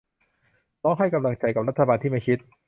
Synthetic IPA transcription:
lɔː˦˥ŋɦa˥˩jka˧mla˧ŋt͡ɕa˧jka˨˩ɾa˦˥t̪ʰːa˧baː˧nt̪ʰiː˥˩ma˥˩jkʰi˦˥t̪̚

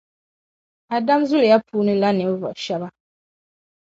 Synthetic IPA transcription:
a˨da˦mzu˦lja˦pʰuː˦nɨ̃˦la˦nɪ̃˨m̩˦vɔ̰˨ʃa˦ba˦

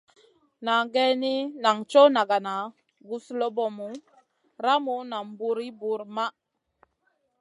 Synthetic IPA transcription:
na˨ŋɡɛ˦ni˦na˨ŋt͡ʃo˦na˨ɡa˨na˨ | ɡu˦slo˦bɔ˨mu˨˦ | ɾa˦mu˦na˨m˦bu˨ɾi˦bu˨ɾma˦

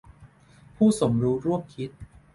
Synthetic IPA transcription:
pʰuː˥˩so˩˦mɾuː˦˥ɾu˥˩əm̚kʰi˦˥t̪̚

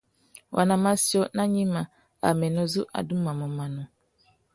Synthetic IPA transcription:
wʔa̰˨nã˨mã˦si˦ɔ˦nã˦ɲĩ˦mã˨ | a̰˨mɛ̃˨nʊ̃˦zʊ˦ʔa̰˨dũ˦mã˨mɔ̃˨mã˨nʊ̃˦

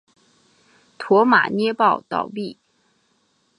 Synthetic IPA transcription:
t̪ʰwɔ˧˥ma̰˨˩njɛ˥pɑ˥˩ʊt̪ɑ̰˨˩ʊpi˥˩

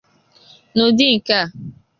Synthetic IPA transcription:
no˨dɪ˦ŋ̩˨ka˦˨

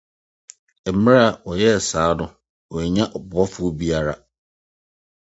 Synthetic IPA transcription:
ɛ˨m̩˨˦mɪ̃˦ɾa˦˨wɔ˨jɛ˦˨saː˨˦nʊ̃˦ | wɔ˨ɛ˨ɲã˦ʔɔ˨bɔ˦fʊ˦bi˦a˨ɾa˨

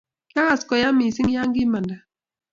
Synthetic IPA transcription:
ka˦ɣa˨skɔ˨ja˦mi˨sɪ˦ŋja˦ŋɡɪ˦ma˨nda˨

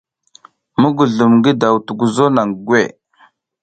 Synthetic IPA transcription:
mə˦ɡu˨ɮu˨mɡi˦da˨wtu˨ɡu˨zo˦na˨ŋ˨ɡwe˦˨

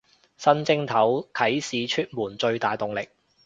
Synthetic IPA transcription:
sɐ˥nt͡sɪ˥ŋt̪ʰɐ˨˥wkʰɐ˨˥jsiː˨˧t͡ʃʰyː˥t̚muː˨˩nt͡sɵ˧ɥt̪aː˨˩jt̪ʊ˨ŋlɪ˨k̚

